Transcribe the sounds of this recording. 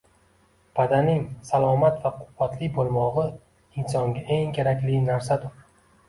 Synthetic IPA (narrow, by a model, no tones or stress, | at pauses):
b̥ad̪anɪŋsalˠɒmat̪vaqʰʊbːat̪lɪbolˠmɒʁɨ | ɪnsɒŋɡʲaʔeŋkʲʰeɾakʲlɪnaɾsad̪ʊɾ